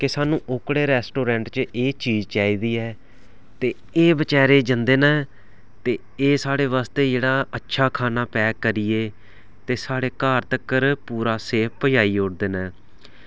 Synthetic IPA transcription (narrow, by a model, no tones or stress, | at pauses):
kɪsaːnũːʔʊkɽeːɾɛːsʈoːɾɛ̃ːɳʈt͡ʃeːt͡ʃiːzt͡ʃaːiːd̪iːɛː | t̪eː | eːbət͡ʃɛːɾeːd͡ʒənd̪eːnɛː | t̪eː | eːsaːɽeːʋaːst̪eːd͡ʒeːɽaːətːʃʰaːkʰaːnaːpɛːkəɾijeː | t̪eːsaːɽeːkaːɾt̪əkəɾpuːɾaːseːpʰpəjaːiːʊɽd̪eːnɛ̃ː